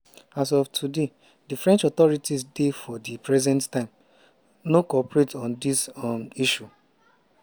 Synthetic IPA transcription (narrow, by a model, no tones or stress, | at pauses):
as̬ɔftʰude | difɹɛ̃nt͡ʃɔt̪ɔɹitisdefɔdipɹɛzɛ̃nttãɪ̃m | nokɔpɹetɔ̃ndismiʃu